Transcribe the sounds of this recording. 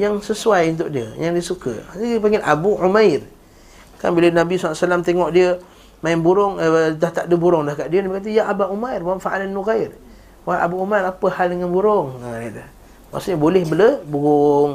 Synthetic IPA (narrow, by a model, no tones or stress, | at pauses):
jaŋsəsuajunt̪̬ʊk̚diə̰jaŋdiəsukə̰paŋɡɪlʔabuʕumajr | ka̰nbilənabisaasalamt̪eŋɔʔdiə | maɪnbuɾʊŋət̪aht̪aʔdəbuɾʊŋlahkaʔdiənabikat̪̬əjaʔabaʔumajrwanfaʔalanːuɣajr | waʔa̰buumajɾapəhaldəŋanbuɾʊŋənidah | ma̰ʔsuʔɲəbolɛhbələbuɣʊŋ